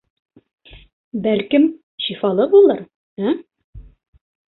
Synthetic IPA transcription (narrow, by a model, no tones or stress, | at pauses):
bælkɘm | ɕifɑlˠɤbulˠɤɾ | æ